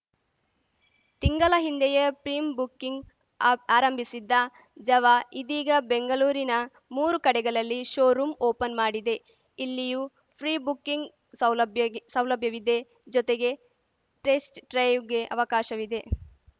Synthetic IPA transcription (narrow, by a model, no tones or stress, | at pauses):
t̪iŋɡɐlɐɦind̪ɛjepɾiːmbukːiŋɡ | aːɾɐmbʱisid̪ːɐ | d͡ʒɐʋaʔid̪iːɡɐbeŋɡɐluːɾinɐ | muːɾukɐɽɛɡɐɭɐlːiʃoːɾuːmoːpɐnmaːɽid̪e̞ | ilːiju | pʰɾiːbukːiŋɡ | sɐlbjsɐwlɐbʱjɐʋid̪e̞ | d͡ʒɔt̪eɡe̞ | ʈesʈʈɾɐjʋɡe̞ʔɐ̰ʋɐkaːʃɐʋid̪e̞